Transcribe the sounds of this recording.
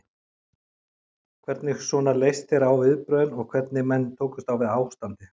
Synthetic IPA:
kʰvɛɾt̪nɪxsɔːnaɾlejst̪ɛɾawvɪðpɾœːðʏnɔɣkʰvɛɾt̪nɪmɛnːt̪ʰoːwkʏ̥st̪awvɪðaːwst̪ant̪ɪ

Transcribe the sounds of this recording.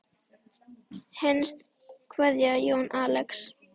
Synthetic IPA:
hɛnst̪ | kʰvɛðjajoːnʔaːlɛks

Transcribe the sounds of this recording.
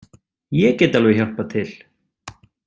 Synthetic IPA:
jɛceːjt̪alvɪçar̥pat̪ʰɪl̥

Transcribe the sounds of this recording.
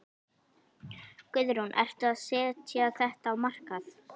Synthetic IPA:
kʏðɾunʔɛ̰r̥t̪ʏaðsɛːt̪ʰjaaθɛht̪aːwmar̥kaθ

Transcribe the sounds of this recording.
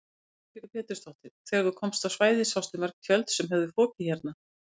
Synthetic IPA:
fɪɾɪɾpʰɛːt̪ɪ̥st̪ɔht̪ɪθɛːɣaɾðukʰɔmst̪awsvaːjðɪsawst̪ɪmɛɾkc̪ʰjœlt̪sɛmɦɛvðɪfɔːcɪçɛɾt̪̚na

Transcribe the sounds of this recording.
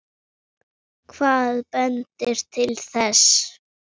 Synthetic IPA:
kʰvaːðpœnt̪ɪɾ̥t̪ʰɪlθɛs

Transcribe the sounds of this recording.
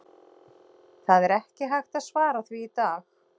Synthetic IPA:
θaðɛɾɛhcɪɦajxt̪aðsvaːɾaθviːt̪aːx

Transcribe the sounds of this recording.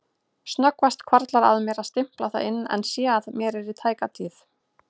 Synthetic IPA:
snœkvast̪kʰvaɾt̪laɾa̰ðmɛɾaðst̪ɪm̥plawθa̰ðɪnːɛ̰nsjɛaðmjɛɾɛɾit̪ʰaːjkat̪ʰiːθ

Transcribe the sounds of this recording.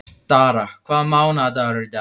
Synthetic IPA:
taɾakʰamawʊnadaɾɪda

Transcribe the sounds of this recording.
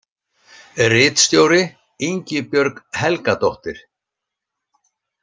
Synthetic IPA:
rɪːt̪st̪joːwɾɪ | iɲcɪpjœɾkhɛlkat̪ɔht̪ɪɾ̥

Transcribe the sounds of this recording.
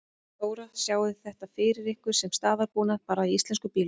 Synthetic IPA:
oːwɾasjaːwðɪθɛht̪afɪːɾɪɾɪhkvʏɾ̥sɛmst̪aːðaɾpuːnaðpaːɾaiist̪lɛnskʏpiːl

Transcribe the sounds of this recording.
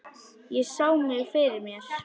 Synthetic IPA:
jɛsaːwmɪɣfɪɾɪɾmjɛɾ̥

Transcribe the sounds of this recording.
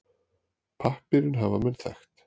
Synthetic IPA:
pʰahpɪɾɪnɦavamɛnθa̰xt̪

